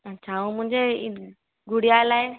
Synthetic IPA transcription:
ət͡ɕʰaũmʊ̃ɦɪ̃ɲd͡ʑe | ɡʊɽjalaːe

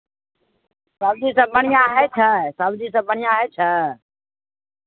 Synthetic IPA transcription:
saːbd͡ʒiːsãːbʱəɳ̤̃ijãːɦeːt͡ʃʰasaːbd͡ʒiːsãːbəɳ̤̃ɪjãːɦɛːt͡ʃʰə

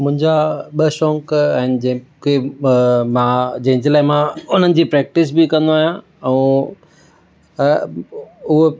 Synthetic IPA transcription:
mʊ̃ɦɪ̃ɲd͡ʑaɓəʃɔ̃ːŋkɛ̃ːnɪ̆d͡ʑɐ̃ke | mãd͡ʑɐ̃ɦɪ̃ɲd͡ʑelaːɪmãʊn̤ənɪ̆d͡ʑiːpɾɛːk̚ʈɪs̬bɪkɐ̃nd̪oaːɦjã | ɛ̃ː | ʊɦo

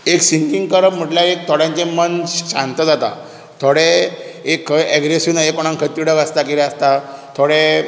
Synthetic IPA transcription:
eksiŋkiŋɡkəɾəpm̤əʈlaek̚t̪ʰoɽjãɲt͡ɕẽmənɕãnt̪əd͡zat̪a̰ | t̪ʰoɽeekʰːɛɡɾesunajekoɽ̃ãŋkʰət̪ːiɽəkast̪akiɾəst̪at̪ʰoɽe

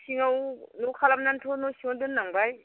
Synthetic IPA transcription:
siŋawnukʰalamnantʰonosiŋondɯnːaŋbaj

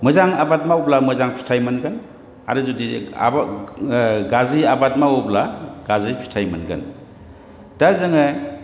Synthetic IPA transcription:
mɯzaŋabat̚mawplamɯzaŋpʰi̥tʰajmanɡɯn | a̰ɾuzudia̰b | ɡaziabat̚mauplaɡazijpʰi̥stʰajmanɡɯ̰n | tazɯŋɯ

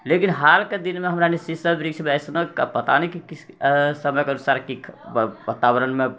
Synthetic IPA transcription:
lekinɦalked̪inmeɦəmɾanisisəbɾikt͡ʃʰmɛsnəka̰pət̪anikikisəməjkeənusaɾkikbat̪abəɾənme

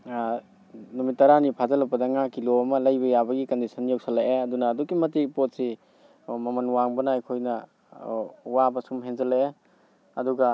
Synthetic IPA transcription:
numitːɐɾanipʰazɐlɐpːɐdɐŋakːiloɐmɐlɐjbɐjabɐɡikɐndisʰɐnjowsʰɐlaʔeɐdunɐːdukːimɐtipot̚si | mɐmɐnwaŋbɐnɐɐjkʰojnɐ | wabɐsumɦenzɐlːeʔe | ɐduɡɐ

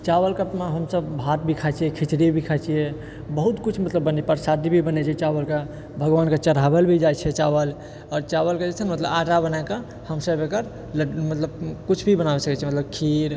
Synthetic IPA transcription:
t͡ʃawəlkəmeɦəmsəbʱat̪̚bʱikʰat͡ʃʰijɛkʰit͡ʃɾibʱikʰat͡ʃʰijɛ | bəɦut̪kut͡ʃʰmət̪ləbːənɛpəɾsad̪ʱibʱibənɛt͡ʃʰiɛt͡ʃawəlke | bʱəɡʋanket͡ʃəɾɦabelbʱid͡ʒajt͡ʃʰɛt͡ʃaβəl | ɔɾt͡ʃaβəlked͡ʒet͡ʃʰənmət̪ləbaʈabənaka | həmsəbekəɾ | ləmət̪ləbkut͡ʃʰbʱibənabesəkɛt͡ʃʰɛmət̪ləb̚kʰiɾ

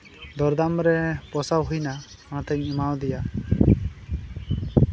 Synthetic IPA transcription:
d̪ɔɾd̪amɾɛpɔsawɦujna | kañat̪ɛɲimawd̪ija

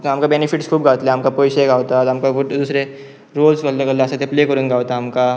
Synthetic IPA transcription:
ɦɐmkabɛːnɪfʰɪʈskʰuːbɡaːʋt̪leɦɐmkapoːjʃeɡaːʋt̪aɦɐmkaʊd̪uːsɾe | ɾoːlsɡɐlːeɡɐlːeset̪ʰepleːkəɾũnɡaːʋt̪aɦɐmka

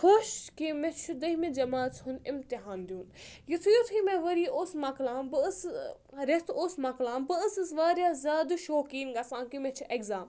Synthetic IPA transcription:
xʰoːʃkimẽt͡ʃʰud̪ɐɦmid͡ʒɐmaːt͡sɦunɪmt̪iɦaːnd̪ʲjuːnjit̪ʰujot̪ʰimẽʋɐɾiːoːsmɐklaːbɨəs | ɾet̪ʰoːsmɐklãːmbɨəsɨsʋaːɾjaːzʲaːd̪uʃoːkiːnɡɐsãːkimẽt͡ʃʰuʔeɡzaːm

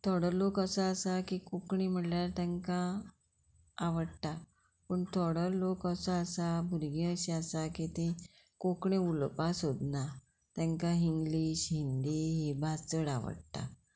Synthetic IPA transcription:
t̪ʰɔɽəlokəsəəsakikokɳim̤əɳljaɾt̪ɛ̃ŋkã | ʋəɽt̪a | pəɳt̪ʰɔɽəlokəsəəsabʱuɾɡĩəɕiasakit̪ĩ | kokɳẽulpasɦod̪na | t̪ɛ̃ŋkãɦiŋɡliːɕɦind̪iɦebʱat͡səɽa̰ʋə̰ɽt̪a̰

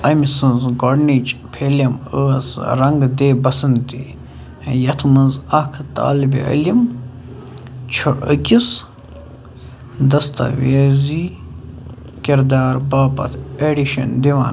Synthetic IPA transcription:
ɐmisɨnzɡoːɖniːt͡ʃpʰeːlɐməsɾɐŋɡd̪ebɐsɨnd̪d̪i | jɐt̪ʰmɐnzɐkʰt̪a̰ːlbḭə̰lim | t͡ʃʰəʔəkʲis | d̪ɐst̪ɐ̰ʋeːzi | kʲiɾd̪aːɾbaːpɐ̰t̪ʰeɖiʃɐ̰nd̪iʋa̰ːn

